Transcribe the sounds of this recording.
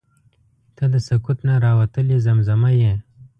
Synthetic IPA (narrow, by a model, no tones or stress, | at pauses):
t̪ad̪əsɐkut̪naɾɑːwɐt̪əlizɐmzɐmaje